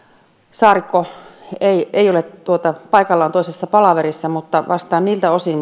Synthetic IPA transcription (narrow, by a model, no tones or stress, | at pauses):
sɑːrikːoeieˑijolett̪uot̪ɑpɑikɑlːɑont̪oisesːɑpɑlɑʋerisːɑmut̪ːɑʋʔɑst̪ɑːnniːlt̪æosi